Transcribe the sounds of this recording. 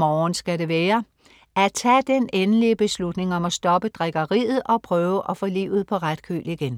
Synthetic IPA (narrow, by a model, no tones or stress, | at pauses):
mɒːnsɡ̥æɾe̝ʋɛːɐ | æt͡sʰɛ̰d̥enenəliəb̥e̝slud̥ne̝ŋɒ̽mæsd̥ɒ̽b̥əd̥ʁɛɡ̥ɐʁḭːð̞̩ˠɒ̽pʰʁœːʊəʔɒ̽fɔ̽ːlḭːʊð̩ˠpʰɒ̽ʁad̥̚kʰy̰ːliɡ̥en